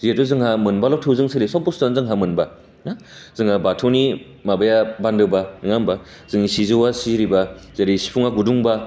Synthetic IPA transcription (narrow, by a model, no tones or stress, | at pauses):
zietɔzɯŋɦamɯnbalɔtʰɯwzɯŋsʰɯlisɔpːɔstanzɯŋɦamɯnba | nazɯŋabatʰawni | mabajabandɯwbanɯŋamba | zɯŋisizɯwasiɾibazaɾisi̥pʰuŋaɡuduŋba